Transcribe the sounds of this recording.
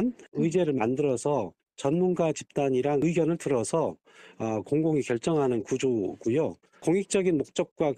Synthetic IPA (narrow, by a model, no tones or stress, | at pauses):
nɯid͡ʑe̞ɾɯɭmandɯɾʌsʰʌ | t͡ɕʌnmunɡat͡ɕip̚t͈aɲiɾaŋɯiɡjʌnɯɭtɯɾʌsʰʌː | koŋɡoŋikjʌɭt͡ɕ͈ʌŋɦanɯnkud͡ʑoɡujo | koŋik̚t͡ɕ͈ʌɡinmok̚t͡ɕ͈ʌk̚k͈wa